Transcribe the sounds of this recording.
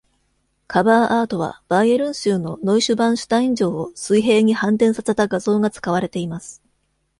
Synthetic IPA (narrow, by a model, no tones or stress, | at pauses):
kʰabaːʔaːt̪o̞β̞a̰b̥aieɾɯ̟̃ɰ̃ɕɨːno̞no̞iɕɨbãɰ̃ɕɨ̥t̪aĩɲ̟d͡ʑo̞ːosɨiɦe̞ːɲ̟ihãnt̪̬ẽ̞ɰ̃sase̞t̪aɡazo̞ːɡat͡sɨ̥kaβaɾe̞t̪e̞imasɨ̥